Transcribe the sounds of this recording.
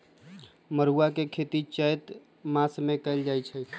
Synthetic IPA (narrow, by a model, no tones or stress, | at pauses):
məɾuakekʰet̪it͡ʃəjt̪ | masmẽkəjld͡ʒajt͡ʃʰɛ